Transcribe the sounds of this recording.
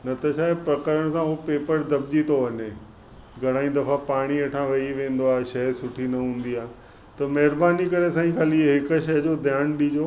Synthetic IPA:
nɐt̪ɐʃaːɦepɾɐkəɾəɽ̃sãuopeːpəɾd̪ɐb̚d͡ʑit̪ʰoʋɐɲe | ɡʱɐɽ̃aːĩd̪ɐfapaːɽ̃ieːʈʰãʋɐiʋẽːn̆d̪oaːɦeʃɐɦsʊʈʰinɐɦũːnd̪iaːɦ | t̪ɐmɐɦɪɾbaːnikɐɾes̬ãːĩkʰaːliɦɪkʃɐɦd͡ʑod̪ʱjaːnɗid͡ʑoː

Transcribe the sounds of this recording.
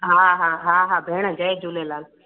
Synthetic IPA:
ɦaːɦãːɦãːɦaːbʱeːɽ̃əd͡ʒəjd͡ʒulelaːl

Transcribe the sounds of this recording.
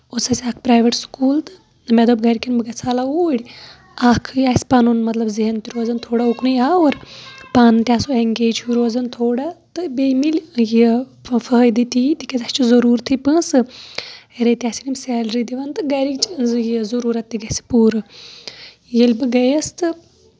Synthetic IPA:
osɐsʲaːkʰpɾaːjʋeʈskuːlt̪ɨ | nɨmed̪oːbɡɐɾʲikʲɐnbɨɡɐt͡sʰaːlauːɽʲ | aːkʰɨjaːsʲpaːnunmɐt̪lɐbziɦɐnt̪iɾoːzɐnt̪ʰoːɽauknɨjaːoɾpaːnɨt̪ʲaːsoeŋɡeːd͡ʒhuɾoːzɐnt̪ʰoːɽat̪ɨbemilji | fəjd̪it̪it̪ikʲezɐt͡ʃʰizɐɾuːɾt̪ʰipɨ̃ːsɨ | eɾet̪iaːsʲinimsɛːlɾid̪iʋɐnt̪ɨɡɐɾikt͡ʃʰjizɐɾuːɾɐt̪ːiɡɐsi̥puːɾɨ | jelʲbɨɡɐjɐst̪ɨ

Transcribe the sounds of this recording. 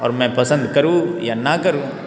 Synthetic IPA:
ɔ̰ːɾmɛ̃pɐsə̃nd̪kɐɾũːjanakɐɾũː

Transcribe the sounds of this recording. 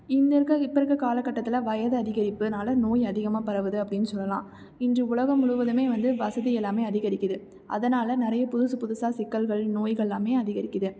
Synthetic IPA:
ɪnd̪ɐɾkɐɪpːɐɾɯkːɐkaːlɐkːɐʈːɐt̪ːɪlɐʋɐjɐðɐɐðɪɣɐɾɪpːɯnaːlɐnoːjɐðɪɣɐmaːpɐɾɐʋɯðɯɐpːɐɽɪnːɯsɔlːɐlã̰ː | ɪndrɯʊɭɐɣɐmːʊɻʊʋɐðɯmeːʋɐnd̪ɯʋɐsɐðɪjɛlːaːmeːɐðɪɣɐɾɪkːɐðɯ | ʔɐ̰ðɐnaːlɐnɪɾɐjɐpʊðʊsɯpʊðʊsaːsɪkːɐlɣɐɭnoːjɣɐɭɛlaːmeːɐðɪɣɐɾɪkːɐðɯ

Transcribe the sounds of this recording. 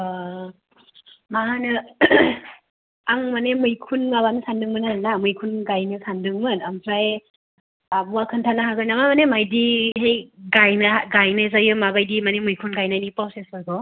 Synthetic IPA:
maanɯ | aŋmanemɯjkʰunŋaβanɯsandɯŋmɯnaɾnamɯjkʰunɡajnɯsandɯŋmɯnampʰɾaj | abwakʰɯntʰanaɦaɡɯjnamamanemajdiɦejɡajnaɡajnajz̬ajɯmabajdimanemɯjkʰunɡajnajnipɔwsesɔjkɔ

